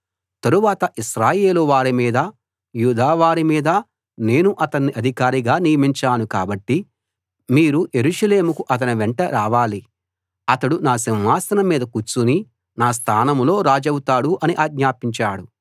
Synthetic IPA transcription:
t̪ɐɾuʋaːt̪ɐʔiʃɾaːje̞ːluʋaːɾimiːd̪ɐ | juːd̪aːʋaːɾimiːd̪ɐ | ne̞ːnuʔɐt̪ɐnːiʔɐd̪ʱikaːɾiɡaːnijɐmiɲt͡ʃaːnukaːbɐʈːi | miːɾuje̞ɾuʂɐle̞ːmukuʔɐt̪̬ɐniʋeɳʈɐɾaːʋaːli | ɐt̪ɐɽunaːsimʋaːsɐnɐmːiːd̪ɐkut͡ʃːuni | naːs̬t̪ʰaːnɐmlo̞ːɾaːd͡ʒɐwut̪aːɽuʔɐniʔaːɡɲaːpiɲt͡ʃaːɽu

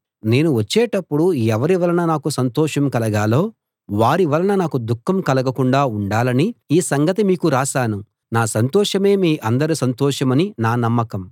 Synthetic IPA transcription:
ne̞ːnuʋɐt͡ʃːɛːʈɐpːuɽuɛʋɐɾiʋɐlɐnɐnaːkusɐnt̪ɔːʂɐmkɐlɐɡaːlo̞ː | ʋaːɾiʋɐlɐnɐnaːkud̪ukʰːɐmkɐlɐɡɐkuɳɖaːuɳɖaːlɐniiːsɐŋɡɐt̪imiːkuɾaːʃaːnu | naːsɐnt̪ɔːʂɐme̞ːmiːʔɐnd̪ɐɾisɐnt̪ɔːʂɐmɐninaːnɐmːɐkɐm

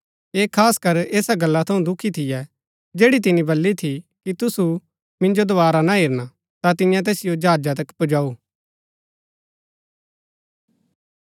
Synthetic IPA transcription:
eːkʰaːskɐɾeːsaɡɐlːat̪ʰɐũd̪ʊkʰːit̪ʰɪjɛ | d͡ʒeːɽit̪̬ɪnĩbɐlːit̪ʰikit̪ʊsu | mɪ̃nd͡ʒod̪oʋaːɾanaɦeːɾna | t̪at̪ɪnjãt̪̬ɛːsɪjod͡ʒaːd͡ʒat̪ɐkpʊd͡ʒaːuː

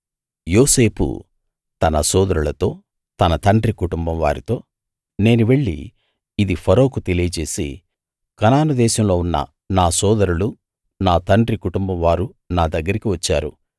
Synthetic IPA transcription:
joːse̞ːpṵ | t̪ɐnɐsɔːd̪ɐɾuɭɐt̪o̞ː | t̪ɐnɐt̪ɐɳɖɾikuʈumbɐmʋaːɾit̪o̞ː | ne̞ːnuʋe̞ɭːḭː | d̪ipʰɐɾo̞ːkut̪e̞lijɐt͡ʃe̞ːsḭ | kɐnaːnud̪ɛːʃɐmlo̞ːunːɐ̰ | naːsɔːd̪ɐɾulu | naːt̪ɐɳɖɾikuʈumbɐmʋaːɾu | naːd̪ɐɡːɐɾikiʋɐt͡ʃːaːɾṵ

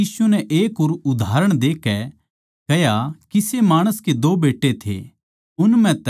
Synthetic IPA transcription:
iːsunɛʔeːkoːɾʊd̪ʱaːɾəɽ̃d̪eːkɛ | kɐjakisemaːɽ̃əsked̪oːbeːʈːet̪ʰḛ | ʊnmɛ̃t̪

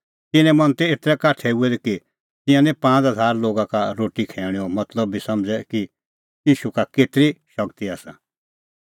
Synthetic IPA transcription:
t̪ɪnɛ̃mɐ̃nt̪ɛeːt̪ɾɛkaːʈʰɛuɛd̪iki | t̪ɪ̃jãnɛ̃pãːt͡sɦɐzʱaːɾloːɡãkaɾoːʈikʰɛːɽ̃ɛɔmɐt̪ləbːisɐmd͡zɛki | jiːʃukakeːt̪ɾiʃɐkt̪iaːsã

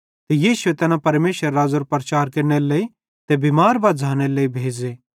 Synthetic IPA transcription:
t̪ejiːsʊet̪ɛːnapɐɾmeːʃəɾːaːzoɾpɾɐt͡ʃaːɾkeɾneleːi | t̪ebiːmaːɾbad͡zʱaːñeleibʱeːd͡ʒeː

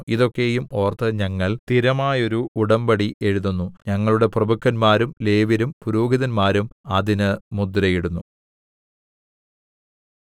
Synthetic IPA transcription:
iðo̞kːe̞jumo̞ːrt̪ɐɲɐŋːɐɭt̪iɾɐmaːjo̞ɾuuɽɐmbɐɽiʔe̞ɻuðunːuɲɐŋːɐɭuɽe̞prɐbukʰːɐnmaːɾumle̞ːʋiɾumpuɾoːɡiðɐnmaːɾumɐðinɨmud̪ɾɐjiɽunːu

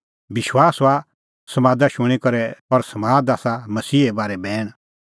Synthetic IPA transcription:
bɪʃwaːsa | sɐmaːd̪aʃʊ̃ɽ̃ikɐɾɛɔɾsɐmaːd̪aːsamɐsiːebaːɾɛbɛːɽ̃

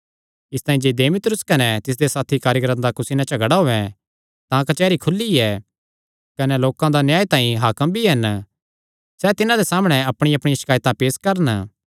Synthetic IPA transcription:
ɪst̪aːĩd͡ʒed̪eːmɪt̪ɾʊskɐnɛt̪ɪs̬d̪esaːt̪ʰikaːɾjəkɾət̪d̪akʊsɪnãt͡ʃɐɡəɽaɦoːʋɛ̃ | t̪ãkɐt͡ʃɛːɾikʰʊlːiɛː | kɐnɛloːkãd̪anjaːit̪ãːĩɦaːkəmbʱiɦɐn | sɛt̪ɪnãd̪esaːmɽ̃ɛɐpɽ̃iɐpɽ̃iʃɪ̥kaːjt̪ãpeːskɐɾən

